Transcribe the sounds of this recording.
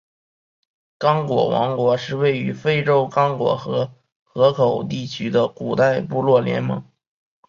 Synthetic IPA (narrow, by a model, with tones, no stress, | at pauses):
kɑ˥ŋkwɔ̰˨˩wʔɑ̰˧˥ŋkwɔ˧˥ʂɻ̩˥˧we˥˩ɪy˧˥fe˥ɪʈ͡ʂo˥ʊkɑ˥ŋkwɔ̰˧˥xɤ˧˥ | xɤ˧˥kʰo˨˩ʊt̪i˥˩t͡ɕʰy˥d̪ə˨ku˨˩t̪a˥˧ɪpu˥˧lwɔ˥˩ljɛ̰˧˥nmɤ̰˧˥ŋ